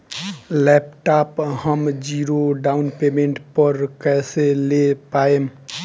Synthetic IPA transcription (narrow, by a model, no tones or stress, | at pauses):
lɛp̚ʈaphəmd͡ʒiɾoɖaunpemeɳʈpəɾkɛselepaem